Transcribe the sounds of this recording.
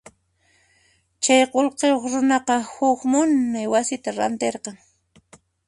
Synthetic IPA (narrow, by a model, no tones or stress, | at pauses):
t͡ʃajqolqejoχɾʊnɑqɑhʊkmʊnːajwasɪt̪aɾa̰nt̪eɾqɑŋ